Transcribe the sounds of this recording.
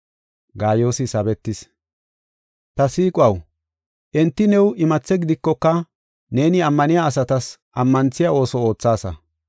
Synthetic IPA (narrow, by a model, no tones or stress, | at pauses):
ɡaːjo̞ːsɪsɐbɛt̪ːɪs | t̪ɐsiːkʼwɐw | ʔɛnt̪ːɪnɛwɪmɐt͡sːɛɡɪd̪ɪkːɔkːɐ | ne̞ːnɪɐmːɐnɪjaːsɐt̪ɐsʔɐmːɐnt͡sːɪjao̞ːsɔo̞ːt͡sːaːsɐ̰